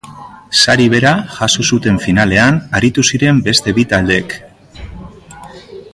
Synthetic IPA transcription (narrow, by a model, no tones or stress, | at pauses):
saɾiβe̞ɾaʝasusut̪e̞ɱfinale̞anaɾit̪usiɾe̞mbe̞st̪e̞βit̪ald̪e̞k